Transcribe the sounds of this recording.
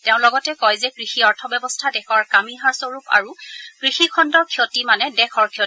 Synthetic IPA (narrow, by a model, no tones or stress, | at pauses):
teʊ̃lɔɡɔtɛkɔjzɛkɹixiɔɹtʰɔbɛbɔstʰadɛxʰɔɹkamiɦaɹsoɹupa̰ɹukɹixikʰɔndɔɹkʰiɔtimanɛdɛxʰɔɹkʰiɔ